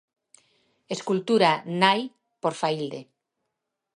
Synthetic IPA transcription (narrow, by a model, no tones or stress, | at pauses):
eskult̪uɾanaj | poɾfaild̪e